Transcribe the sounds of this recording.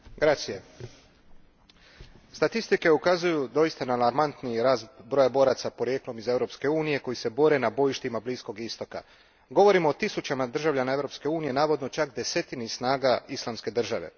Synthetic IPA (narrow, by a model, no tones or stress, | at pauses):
ɡɾat͡ʃsije | st̪at̪ist̪ike̞ukazujud̪o̞ist̪analaɾmant̪niɾaːzbɾojabo̞ːɾat̪sapo̞ɾje̞ːklˠo̞mize̞vɾo̞pske̞uːnije̞ko̞jise̞bo̞ɾe̞nabo̞jiʃt̪imabliːsko̞ɡist̪o̞ka̰ | ɡo̞ʋo̞ɾimoːt̪isut͡ʃamad̪r̩ʒaʋʎʲanae̞vɾo̞pske̞uːnije̞naːʋo̞d̪no̞t͡ʃakd̪e̞se̞t̪inisnaːɡaislˠamske̞d̪r̩ʒaʋe̞̰